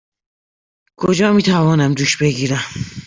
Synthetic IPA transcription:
kʰod͡ʒɒːmiːt̪ʰævɒːnæmd̪uːʃbe̞ɡiːɾæm

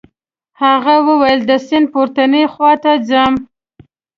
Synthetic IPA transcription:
haɣawəwajəld̪əsɪn̚poɾt̪anexwɑt̪ad͡zam

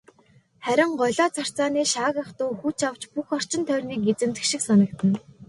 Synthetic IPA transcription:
χæɾʲɪ̆ɴɢɔɮaːt͡sʰar̥t͡saːniːʃaːɣə̆χt̪ʊːxut͡ɕʰaw̥t͡ɕpuxɔr̥t͡ɕɪ̆nt̪ʰœrʲniːk̚et͡sɘ̆mt̪ɘ̆kʃĭksɔnɞ̆k̚t̪ɘ̆n

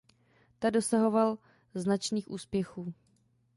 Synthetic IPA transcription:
t̪ado̞saɦo̞val | znat͡ʃniːxʔuːspjɛxuː

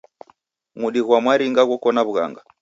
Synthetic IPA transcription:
muɗiɣwamwaɾiŋɡaɣɔkɔnaβuɣa̰ŋɡa

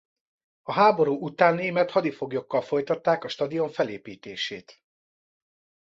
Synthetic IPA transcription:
ɒɦaːbo̞ɾuːut̪aːnːeːmɛt̪hɒd̪ifo̞ɡjo̞kːɒlfo̞jt̪ɒt̪ːaːkɒʃt̪ɒd̪io̞ɱfɛlḛːpiːt̪eːʃeːt̪

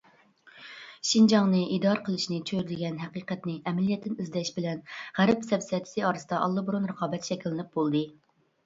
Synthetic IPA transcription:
ʃind͡ʒɑŋnɨʔid̪ɑɾqʰəlˠɨʃnɨt͡ʃʰøɾɪd̪ɪɡʲɛnɦæqiːqɛt̪nɪʔɛmɛlijɛt̪ʰːɪnizd̪ʲɛʃbɪlɛnʁæɾɛpsɛpsɛt̪ʰɪ̥sɨɑːɾɨsɨd̪ɑʔɑlˠːɑbuɾunɾəqʰɑːbɛt̪ʃɛkʲilːɪnɪp̚bolˠd̪ɨ

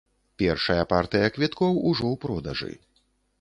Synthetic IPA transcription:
pʲɛrʂɐjɐpart̪ɨjɐkvʲit̪kɔwuʐɔwpɾɔd̪ɐʐɨ̰

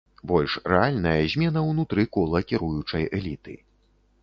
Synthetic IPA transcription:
bɔlʲʂrɛalʲnɐjɐzʲmʲɛnɐwnut̪ɾɨkɔlˠɐkʲiɾujut͡ʂɐjɛlʲit̪ɨ̰

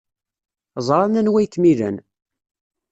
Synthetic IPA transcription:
zˤɾˤɑnænwæjkːmilə̰n

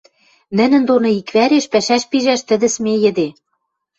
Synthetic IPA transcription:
nɘ̆nɘ̆nd̪onɤ̆ikβæɾeʃpæʃæʃpiʒæʃt̪ɘ̆d̪ɘ̆smejɘ̆d̪e

